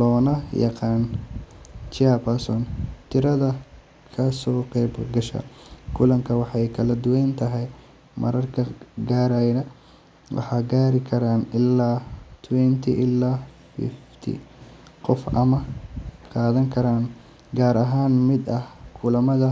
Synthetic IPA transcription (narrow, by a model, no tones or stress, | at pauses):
lɔːnɐjɑ̰qɑːn | t͡ʃɪapɐsɔnt̪ʰɪɾɐðɐ | kʰɐsɔːqɛːbɡɐʃɐ̰kʰʊlɐŋkʰɐwɑħɑjkʰɐlɐd̪ʊwɛjnt̪ʰɐɦɛj | mɐ̰ɾɐrkʰɐɡaːɾajnɐ | wʔɑ̰ħɑːɡaːɾɪkʰɐɾaːnɪlːaːt̪ʰwɛnt̪ʰḭʔɪlːaːfɪ̰ft̪ʰḭ | qɔfɐmɐqɑːðɐŋkʰɐɾaːn | ɡaːɾɐɦaːnmɪd̪ɐhkʰʊlɐmɐðɐ